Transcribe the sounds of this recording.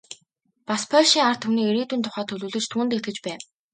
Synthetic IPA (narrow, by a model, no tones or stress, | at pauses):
paspʰœʃiːŋar̥t̪ʰuniːeɾiːt̪uːnt̪ʰʊ̥χaːt̪ʰɵɮuːɮɵ̆t͡ɕt̪ʰuːnt̪et̪̚ɡɘ̆t͡ɕpæː